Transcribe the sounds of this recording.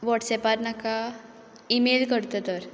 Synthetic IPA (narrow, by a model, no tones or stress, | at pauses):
ʋɔʈsɛpat̪naka | imelkəɽt̪ət̪əɾ